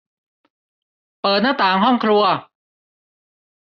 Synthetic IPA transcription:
pɤː˨˩t̪̚naː˥˩t̪aː˨˩˦ŋɦɔ˥˩ŋkʰɾu˧ɐ

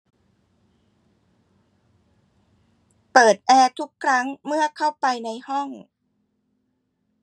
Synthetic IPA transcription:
pɤː˨˩t̪̚ʔɛː˧t̪ʰu˦˥kʰːɾa˦˥ŋmɯ˥˩ɐkʰa˥˩wpa˧jna˧jhɔ˥˩ŋ

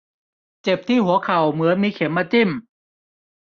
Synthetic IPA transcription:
t͡ɕe˨˩p̚t̪ʰiː˥˩hu˨˩˦ɐkʰa˨˩wmɯ˨˩˦ɐmiː˧kʰe˩˦mːaː˧t͡ɕi˥˩m

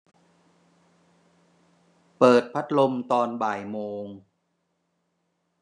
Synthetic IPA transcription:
pɤː˨˩t̪̚pʰa˦˥t̪̚lo˧mt̪ɔː˧nbaː˨˩jmoː˧ŋ

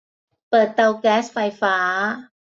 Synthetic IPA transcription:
pɤː˨˩t̪̚ːa˧wkɛː˦˥sfa˧jfaː˦˥

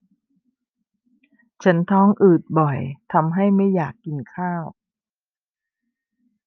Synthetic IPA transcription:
t͡ɕʰa˦˥nt̪ʰɔː˦˥ŋʔɯː˨˩t̪̚bɔ˨˩jt̪ʰa˧mɦa˥˩jma˥˩jːaː˨˩kːi˧nkʰaː˥˩w

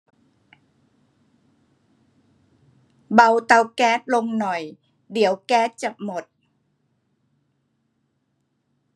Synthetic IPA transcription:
ba˧wt̪a˧wkɛː˦˥t̪̚lo˧ŋnɔ˨˩j | di˩˦əwkɛː˦˥t̪̚t͡ɕa˨˩mo˨˩t̪̚

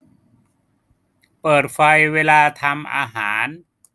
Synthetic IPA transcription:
pɤː˨˩t̪̚fa˧jweː˧laː˧t̪ʰa˧mʔa̰ː˧ɦaː˩˦n

